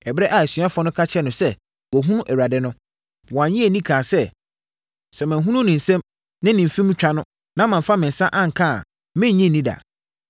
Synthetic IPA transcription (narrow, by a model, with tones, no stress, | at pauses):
ɛ˨bɾɛ˦ʔa˨sɥa˦fɔ˦nʊ̃˦kʰa˦t͡ɕʰɛ˦nʊ̃˨sɛ˦ | wɔ˨ɦũ˦nũ˦ʔɛ˨wa˨dɪ˦nʊ̃˦ | wɔ˨ã˨ɲĩ˦e˨nĩ˦kʰãː˨sɛ˦˨ | sɛ˨mã˨ɦũ˦nũ˦nɪ̃˨n̩˨sɛ̃˦m | nɪ̃˦nɪ̃˨fĩ˦m̩˦t͡ɕᶣa˦nʊ̃˦ | nã˦mã˨fa˦mɪ̃˨n̩˨sã˦ʔã˦ŋ̩˨kʰã˦a̰˨ | mɪ̃˦˨ɲĩ˦˨nĩ˦da̰˨